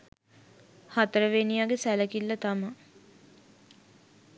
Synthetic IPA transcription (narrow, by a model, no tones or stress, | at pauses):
hat̪əɾəʋenijaɡesæləkilːət̪amə